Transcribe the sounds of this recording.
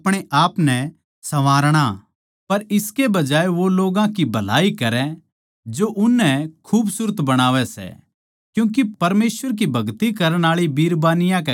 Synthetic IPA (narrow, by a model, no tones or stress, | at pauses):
ɐpɽ̃eʔaːpnɛ | sɐʋaːɾɽ̃a | pɐɾɪskebɐd͡ʒaːeʋoloːɡãkibʱɐla̰ːikɐɾɛ̃ | d͡ʒoʔʊnːɛkʰuːbsʊɾət̪bɐɽ̃aːʋɛsɛ̰ | kjũːk̬ipɐɾmeːsʋəɾk̬ibʱɐɡt̪ikɐɾəɽ̃aːɭibiːɾbaːnɪjãkɛ